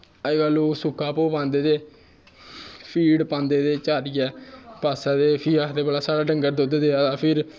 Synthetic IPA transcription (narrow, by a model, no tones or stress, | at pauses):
əiɡaːloːsʊkʰːaːpoːpãːnd̪eːd̪eː | pʰiːɖpãːnd̪eːd̪eːt͡ʃaːɾɪɛːpaːsãːd̪eːpʰiːaːt̪eːbəlaːsaːɽaːɖəŋɡəɾd̪ʊd̪d̪eːt̪ãːpʰɪɾ